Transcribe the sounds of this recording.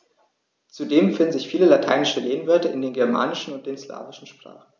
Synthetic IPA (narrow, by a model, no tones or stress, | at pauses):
t͡sudeːmfɪndn̩zɪçfiːləlatʰaɪnɪʃəleːnvɛɐtəɪ̰ndeːnɡɛɐma̰ːnɪʃn̩ʊnt̚d̥eːnsla̰ːvɪʃn̩ʃpʁ̥a̰ːχn̩